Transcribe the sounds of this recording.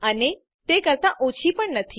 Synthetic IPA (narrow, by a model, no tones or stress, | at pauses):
əne | t̪ekəɾt̪aʔot͡ɕʰipəɳnət̪ʰi